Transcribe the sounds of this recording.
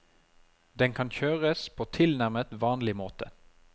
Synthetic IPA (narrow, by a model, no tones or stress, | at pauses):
d̪ɛŋkʰɑnçøːʁəspʰoːt̪ʰɪlnæʁmət̪ʋɑːnlɪmoːt̪ə